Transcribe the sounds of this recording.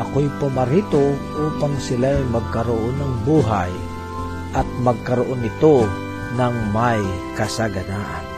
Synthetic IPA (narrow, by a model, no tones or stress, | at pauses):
ʔɐkojpʊmaɾiːt̪oʔuːpaŋsɪlajmɐɡ̚kaɾʊʔonɐŋbuːɦaj | ʔɐt̪̚mɐɡ̚kɐɾʊʔonɪt̪o | naŋmaj | kasaɡɐnaːʔa̰n